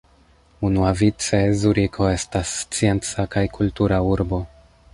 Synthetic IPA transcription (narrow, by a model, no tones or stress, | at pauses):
unuavit͡se̞zuɾikʰo̞e̞stast͡sie̞nt͡sakajkʰultuɾauɾbo̞